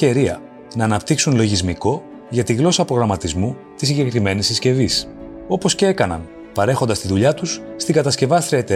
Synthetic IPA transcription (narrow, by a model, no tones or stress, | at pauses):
eɾiɐ̰ | nɐːnɐpt̪iksunlo̞ʝizmiko̞ | ʝɐt̪iɣlo̞sɐpɾo̞ɣɾɐmɐt̪izmu | t̪isiɲɟe̞kɾime̞nisisce̞vis | o̞po̞scee̞kɐnɐ̰n | pɐɾe̞xo̞nd̪ɐst̪iðuʎɐt̪usst̪iŋɡɐt̪ɐsce̞vɐst̪ɾiɐet̪e